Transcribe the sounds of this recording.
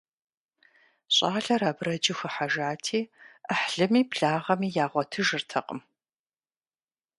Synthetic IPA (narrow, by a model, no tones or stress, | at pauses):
ɕʼaːɮɐɾaːbrɐd͡ʒɪxɨħaʒaːtʰiːəħɬɨmiːpɬaːʁɐmiːjaːʁʷɔtʰɨʒɨrtʰɐqʼəm